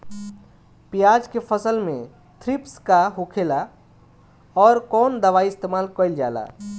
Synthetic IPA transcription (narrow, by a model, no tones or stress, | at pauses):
pijad͡ʒkepʰəsəlmḛ̃ | t̪ʰɾipskaɦokʰeːla | ɔːɾkɔːnd̪əʋaiɪst̪emaːlkəɪld͡ʒa̰ːla̰